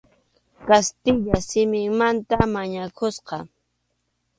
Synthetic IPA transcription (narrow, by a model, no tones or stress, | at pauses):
kast̪ɪʎasɪmɪŋmant̪amaɲakʰʊsqɑ